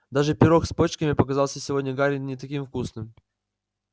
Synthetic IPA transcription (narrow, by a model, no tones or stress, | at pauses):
d̪aʐɨpʲɪɾo̞xspot͡ɕkəmʲɪpəkɐzɑlˠsʲəsʲɪvo̞dʲnʲəɡaɾʲɪnʲɪt̪ɐkʲimfkusnɨm